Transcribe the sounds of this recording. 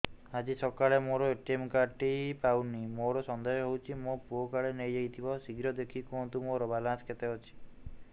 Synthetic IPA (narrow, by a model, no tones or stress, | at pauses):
ad͡ʒisɔkaɭemoɾɔeʈemkaʈipawnimoɾɔsɔnd̪ɔjɔɦewt͡ʃʰimopuokaɭenejd͡ʒejt̪ʰibɔsiɡɾɔd̪ekʰikuɔ̃nt̪umoɾɔbalãnsket̪eɦɔt͡ʃʰi̥